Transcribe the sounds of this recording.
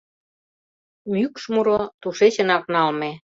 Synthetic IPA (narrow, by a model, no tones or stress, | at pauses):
mykʃmuɾot̪uʃet͡ɕə̆nɑknɑlme